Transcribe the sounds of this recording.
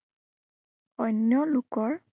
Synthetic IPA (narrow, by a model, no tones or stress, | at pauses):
ɔnːjɔlukɔɹ